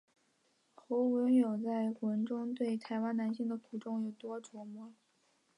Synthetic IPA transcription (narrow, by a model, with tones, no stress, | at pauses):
xo˧˥ʊwə˧˥njo˨˩ʊt͡sa˥˩ɪwə˧˥nʈ͡ʂʊ˥ŋt̪we˥˩ɪt̪ʰa˧˥ɪwa˥nna˧˥nɕi˥˩ŋd̪ə˩kʰu˨˩ʈ͡ʂʊ˥ŋjo˨˩ʊt̪wɔ˥ʈ͡ʂɔ˧˥mɔ˧˥